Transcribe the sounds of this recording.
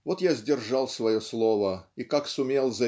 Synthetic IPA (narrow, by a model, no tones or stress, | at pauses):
vo̞t̪jazʲdʲɪrʐɑlˠsvɐjoslˠovəikaksʊmʲelˠzɐ